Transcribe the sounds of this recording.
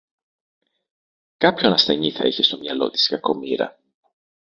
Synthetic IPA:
kɐpço̞nɐsθe̞ɲiθɐ̰içest̪o̞mɲɐlo̞̰t̪i̥skɐko̞miɾɐ̰

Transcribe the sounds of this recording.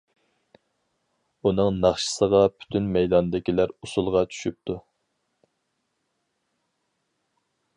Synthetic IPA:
unɨŋnɑχʃə̥səʁɑpʰy̥t̪ʰynmɛjd̪ɑnd̪ɪkʲilæɾusulˠʁɑt͡ʃʰy̥ʃyp̚t̪ʰu

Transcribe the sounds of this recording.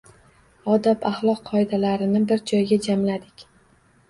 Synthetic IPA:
ɒd̪apaχlˠɒqʰːɒɪd̪alaɾɪnɪbɪɾd͡ʒɒjɡʲad͡ʒamlad̪ɪkʲ

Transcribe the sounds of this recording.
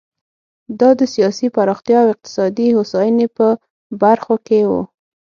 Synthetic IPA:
d̪ɑd̪əsijɑsipaɾɑxt̪jɑawɪq̚t̪ɪ̥sɑd̪ihosɑjənepə | baɾxokewṵ

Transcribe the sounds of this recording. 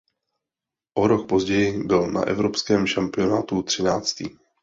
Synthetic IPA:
ʔo̞ɾo̞kpo̞zɟɛjɪbɪlna̰ʔɛ̰vɾo̞pskɛːmʃampɪo̞naːt̪ut̪r̝̥ɪnaːt͡st̪iː

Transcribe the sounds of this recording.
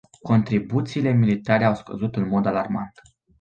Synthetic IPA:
ko̞nt̪ɾibut̪siːle̞milit̪aɾe̞awskə̰zut̪ɨnmo̞d̪alarmant̪

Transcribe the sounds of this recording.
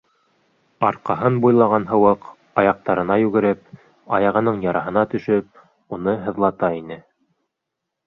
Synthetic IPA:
ɑɾqɑɦɤnbujlˠɑʁɑnɦɤ̆wɤq | ɑjɑq̚t̪ɑɾɤ̆nɑjʉɡɘ̆ɾɘp̚ | ɑjɑʁɤ̆nɤɴjɑɾʔɑɦɤ̆nɑt̪ɵ̆ʃɵp̚ | un̪ɤɦɤ̆ðlˠɑt̪ɑinɘ

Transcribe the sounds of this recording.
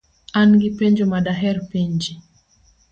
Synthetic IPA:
anɡipeɲd͡ʒumaɗaɦɛɾpeɲd͡ʒi

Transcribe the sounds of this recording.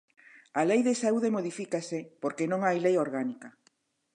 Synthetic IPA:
alejðesauð̞emoð̞ifikasepoɾkenõŋajlejoɾɣanika

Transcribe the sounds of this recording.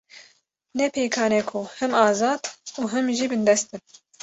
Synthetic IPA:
nɛpʰeːkʰɑːnɛkʰʊhɛmɑːzɑːd̪uːɦɛmʒiːbɨnd̪ɛst̪ɨn

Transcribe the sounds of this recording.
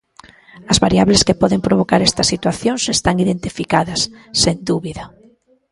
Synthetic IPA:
ɐzβaɾiaβleskepɔðempɾoβ̞okaɾɛst̪ɐsːit̪waθjoŋsest̪aŋiðent̪ifikaðɐsːend̪uβiðɐ

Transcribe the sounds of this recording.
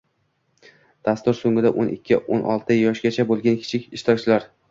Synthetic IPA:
d̪̥ast̪ʊɾsoŋɪd̪aʔonʔɪ̰kʲʰːɪʔo̰nʔɒ̰lˠt̪ʰɪjɒʃɡʲat͡ʃʰabolˠɡʲankʲʰɪ̥t͡ʃʰɪkʲɪʃt̪ʰɒkt͡ʃʰɪlaɾ

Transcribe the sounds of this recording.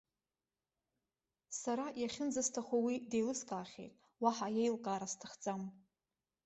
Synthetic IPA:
saɾajaχʲɪnd͡zastʰaχʷawidejlɨskʼaːχʲḛjtʼ | waħajejlkʼaːɾastʰɨχd͡zʼam

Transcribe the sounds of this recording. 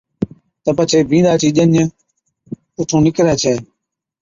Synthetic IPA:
t̪əpət͡ʃʰeːbʱĩːd̪aːt͡ʃʰiːʄəɲə | ʊʈ̪ʰõːnɪkɾɛːt͡ʃʰeː

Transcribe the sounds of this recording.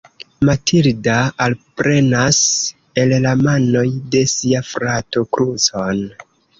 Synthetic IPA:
matʰiɾdaalpɾe̞nas | e̞llamano̞jde̞siafɾato̞kɾuzon

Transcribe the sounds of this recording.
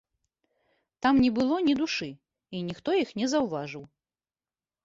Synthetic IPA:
t̪amnʲɛbɨlˠɔnʲid̪uʂɨ | inʲixt̪ɔjixnʲɛzɐwvaʐɨw

